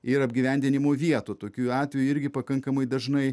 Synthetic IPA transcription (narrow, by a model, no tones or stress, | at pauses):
ɪɾɐbʲɡʲiʋʲɛˑnʲd̪ʲɪnʲɪmoːʋʲiɛt̪ut̪oːkʲuːɑːt̪ʲʋʲɛjʊɪɾʲɡʲɪpɐkɐŋkɐmɐɪd̪ɐʒnɐɪ